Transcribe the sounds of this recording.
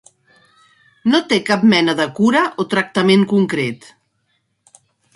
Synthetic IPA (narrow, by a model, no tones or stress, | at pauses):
not̪ekap̚mɛnəðəkuɾəʔot̪ɾək̚t̪əmeŋkuŋkɾet̪